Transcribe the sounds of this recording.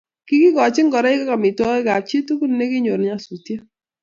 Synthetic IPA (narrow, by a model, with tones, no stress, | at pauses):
ki˦kɪ˦ɡɔ˨t͡ʃɪ˦ŋɡɔ˨ɾa˦ɪ˦ka˦ka˨mɪ˨tɔ˦ɣɛ˦ɡa˨t̚t͡ʃi˦tu˦ku˦n˨ne˦ɡɪ˦ɲo˨ɾɲa˦su˨tje˦